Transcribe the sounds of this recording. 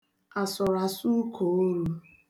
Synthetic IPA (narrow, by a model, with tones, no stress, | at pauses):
a˨sʊ˨ɾa˨su˦kʰo˨o˦ɾu˦